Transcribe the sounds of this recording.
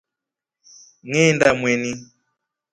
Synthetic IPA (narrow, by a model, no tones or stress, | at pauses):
ŋɛndamwɛni